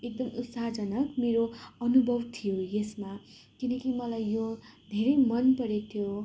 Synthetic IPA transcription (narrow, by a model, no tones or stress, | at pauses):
ek̚d̪ʌmut̪saɦd͡zʌnʌkmeɾoʌnubʱʌbt̪ʰijojesma | kinʌkimʌlajːod̪ʱeɾʌjmʌnpʌɾit̪ʰjo